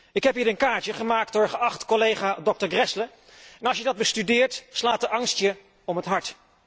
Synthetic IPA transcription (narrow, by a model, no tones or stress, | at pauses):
ɪkɦɛpɦiːɾənkaːɹt͡ʃəχəmaːk̚t̚dʊːɹχəɑχtkɔlejχaːdɔk̚təɹɡrɛslə | ɛnɑlˠsjədɑd̚bəstydɪːɹtslaːtəʔɑŋstjə | ɔmətɦɑɹt